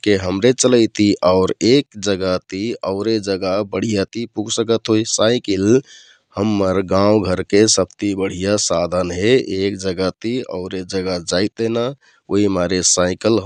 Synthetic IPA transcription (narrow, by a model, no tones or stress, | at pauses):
keɦəmɾet͡ʃələɪt̪iʔaʊɾekd͡ʒəɡat̪iəʊɾed͡ʒəɡabəɽ̤ijat̪ipuɡsəkət̪ɦoisaɪkil | həmːəɾɡãwɡʱəɾkesəb̚t̪ibəɽ̤ijasad̪ʱənɦeek̚d͡ʒəɡat̪iə̰ʊɾed͡ʒəɡad͡ʒaɪt̪̚ena | oɦimaɾesaɪkəlɦ